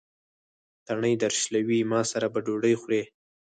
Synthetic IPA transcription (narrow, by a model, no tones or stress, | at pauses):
t̪aɳəjd̪aɾʃlawimɑsaɾabaɖoɖəjxwɾe